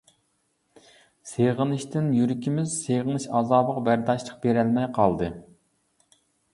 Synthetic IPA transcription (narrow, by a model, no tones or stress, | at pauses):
seʁənɨʃt̪ɪnjyɾɪkʲimɪzseʁənɨʃɑːzɑːbəqbæɾd̪ɑʃlˠəq̚beɾælmɛjqʰɑlˠd̪ɨ